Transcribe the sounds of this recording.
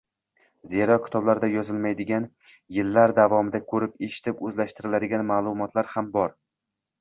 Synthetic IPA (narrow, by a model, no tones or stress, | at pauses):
ze̞ɾɒkʲʰɪ̥t̪ʰɒblaɾd̪ajɒzɪlmajd̪ɪɡʲan | jɪlːaɾd̪avɒmɪd̪akʰɵɾɪpeʃɪ̥t̪ʰɪpɵzlaʃt̪ɪɾɪlad̪ɪɡʲanmaːlˠʊmɒt̪ʰlaɾhambɒɾ